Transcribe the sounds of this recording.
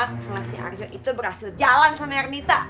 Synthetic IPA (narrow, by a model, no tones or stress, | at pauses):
ŋasɪha̰rd͡ʒɔʔit̪ubərhasɪld͡ʒalansamarnit̪a